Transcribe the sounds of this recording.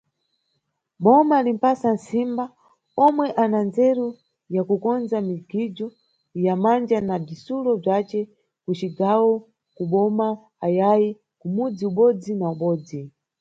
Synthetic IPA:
ɓɔmalim̩pasan̩simba | ɔmwɛʔanand͡zɛɾu | jakukɔnd͡zamiɡid͡ʒɔ | jamand͡ʒanab͡ʐisulɔb͡ʐat͡ʃɛ | kut͡ʃiɡawɔ | kuɓɔma | ajaji | kumud͡ziuɓɔd͡zinauɓɔːd͡zi

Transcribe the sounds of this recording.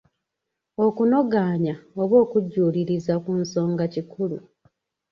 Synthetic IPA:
o̞kuno̞ɡaːɲaoβo̞ːkuɟːuːliɾizakunso̞ːŋɡacikulṵ

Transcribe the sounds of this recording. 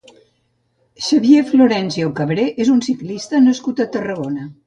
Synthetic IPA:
ʃəβjefloɾɛnsiokəβɾeʔezunsiklist̪ənəskut̪ət̪ərəɣonə

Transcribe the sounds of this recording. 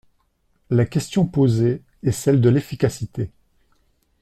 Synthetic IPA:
lakʲɛst̪jɔ̃poze | ɛsɛld̪əlefikʲasit̪e

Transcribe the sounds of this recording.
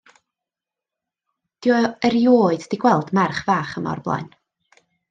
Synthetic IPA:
d̥jɔəɾjoːɨddiɡwɛlˠdmarχvaːχənɔ̰rblˠa̰jn

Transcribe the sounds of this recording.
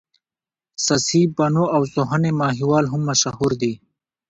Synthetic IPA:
sɐsibɐnoawsoɦanemɑːɦiwɑːlɦʊmːɐʃahuɾd̪i

